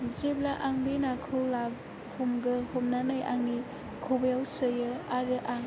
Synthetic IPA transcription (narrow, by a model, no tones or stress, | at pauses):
zeb̚laʔaŋbenakʰɯwlab̚ | humɡɯhomnanɯjʔaŋːi | kʰobɯjawsɯjɯaɾɯʔaŋ